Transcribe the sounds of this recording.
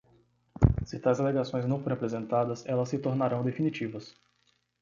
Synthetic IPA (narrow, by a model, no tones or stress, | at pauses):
sɪt̪ajzaleɡasõj̃znɐ̃w̃foɾẽapɾezẽnt̪ad̪ɐsɛlɐsːɪt̪oɾnaɾɐ̃w̃d̪efinit͡ʃivɐs